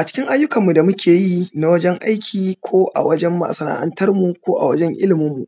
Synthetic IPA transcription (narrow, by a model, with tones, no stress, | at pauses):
ʔa˨t͡ʃɪ̥˦kʲɪ˦ŋʔa˦jːʊ˦kɐ˨mːu˨da˨mʊ˦kʲʰeː˨ji˦na˨wɐ˦d͡ʒɛ˦ŋʔa˦jkʲʰiː˨kʷʰoː˦ʔa̰˨wɐ˦d͡ʒɛ˦mːa̰˨sɐ˨na̰˨ʔa̰˦ntɐ˦rmu˨kʷoː˦ʔa̰˨wɐ˦d͡ʒɛ˦ŋʔɪ̰˦lɪ˨mʊ˦mːu˨ʔ